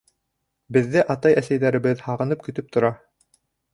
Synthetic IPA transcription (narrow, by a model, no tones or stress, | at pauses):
bɘ̆ðːɘʔɑt̪ɑjæsæjðæɾɘ̆βɘðhɑʁɤ̆nɤp̚kɵ̆t̪ɵp̚t̪ŏɾɑ